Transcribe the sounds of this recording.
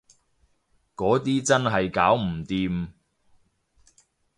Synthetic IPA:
kɔː˨˥t̪iː˥t͡sɐ˥nɦɐ˨jkaː˨˥wm̩˨˩t̪iː˧m

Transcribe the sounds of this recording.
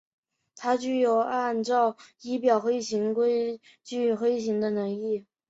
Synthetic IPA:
t̪ʰa˥t͡ɕy˥˩jo˨˩ʊa˥˧nʈ͡ʂɑ˥˩ʊi˥pjɑ˨˩ʊxwe˥ɪɕi˧˥ŋkwe˥ɪ | t͡ɕy˥˩xwe˥ɪɕi˧˥ŋd̪ə˧nɤ˧˥ŋli˥˩

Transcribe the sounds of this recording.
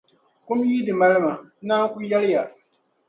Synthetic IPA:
kʊ˦mji˦dɨ˨ma˦lɨ˦ma˨˦naː˦ŋ˦kʊ˦jɛ˦lɪ˦ja˨

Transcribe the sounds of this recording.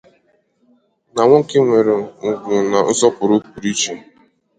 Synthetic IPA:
na˨ŋʷɔ˦ke˦ŋʷe˨ɾe˨ŋ̩˨ɡʷʊ˨na˨n̩˦zɔ˦pʊ˨ɾʊ˦k͡pu˨ɾi˦t͡ʃe˨

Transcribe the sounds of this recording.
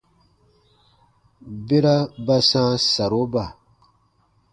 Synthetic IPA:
be˦ɾa˦ba˦sãː˦sa˨ɾo˦ba˨

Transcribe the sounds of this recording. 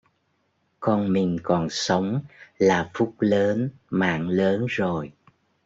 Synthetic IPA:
kɔ˧nmï˨˩ŋ̟kɔ˨˩nsə˨˦wŋ͡mlaː˨˩fʊ˦˥k͡p̚ləː˨˦nma̰ː˧˨ŋləː˨˦nzo˨˩j

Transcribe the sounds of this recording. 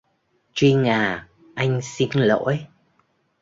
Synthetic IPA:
t͡ɕwi˧ŋaː˨˩ | ʔa˧jŋ̟si˧nlo̰˧˨˥j

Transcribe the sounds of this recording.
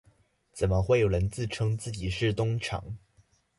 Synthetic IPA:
t͡sə˨˩nmə˧˦xwe˥˩ɪjo˨˩ʊɻə˧˥nt͡sɹ̩˥˩ʈ͡ʂʰɤ˥ŋt͡sɹ̩˥˩t͡ɕi˨˩ʂɻ̩˥˩t̪ʊ˥ŋʈ͡ʂʰɑ̰˨˩˦ŋ

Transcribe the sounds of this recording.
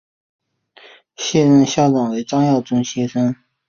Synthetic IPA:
ɕjɛ˥˧ɻə˥˧nɕjɑ˥ʊʈ͡ʂɑ˨˩ŋwe˧˥ɪʈ͡ʂɑ˥ŋjɑ˥˩ʊʈ͡ʂʊ˥ŋɕjɛ˥ʂə˥ŋ

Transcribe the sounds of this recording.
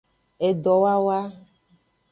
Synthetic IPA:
e˨ɖɔ˨wa˦wa˦

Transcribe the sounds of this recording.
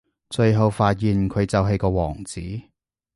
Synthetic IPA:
t͡ʃɵ˧ɥɦo˧wfaː˧t̚jiː˨nkʰɵ˨˧ɥt͡sɐ˨˧wɦe˨˧jkɔː˧wɔ̰ː˨˩ŋt͡siː˨˥

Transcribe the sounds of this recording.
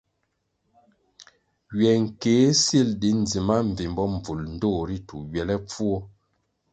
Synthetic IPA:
ɥɛ˨ŋ̩˨keː˨˦si˦˨ldi˨˦n˨d͡zi˨ma˦ɱ̩˨vi˨mbɔ˦m˨b͡vu˨ln̩˦do˦˨ɾi˦tu˨ɥɛ˨lɛ˦p͡fu˦ɔ˦

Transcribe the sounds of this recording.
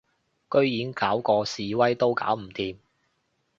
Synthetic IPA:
kɵ˥ɥjiː˨˥nkaː˨˥wkɔː˧siː˨˧wɐ˥jt̪o˥wka̰ː˨˥wm̩˨˩t̪iː˨˧m

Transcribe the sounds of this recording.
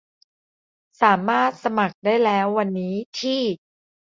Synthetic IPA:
saː˩˦maː˥˩t̪̚sa˧ma˨˩k̚daː˥˩jlɛː˦˥wːa˧nːiː˦˥t̪ʰiː˥˩

